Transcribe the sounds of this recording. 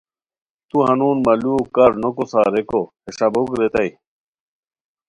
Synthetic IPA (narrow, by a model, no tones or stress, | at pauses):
t̪uɦɐnuːnmɐluːkɐɾnokosaːɾekoheɕɐbokɾet̪ɐi